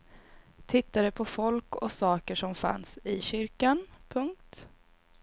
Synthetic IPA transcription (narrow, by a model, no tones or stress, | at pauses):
t̪ʰɪt̪ːad̪ɵpʰɔfɔlkɔsɑːkəʂɔmfa̰nsɪɕʏɾkanpʰɵŋk̚t̪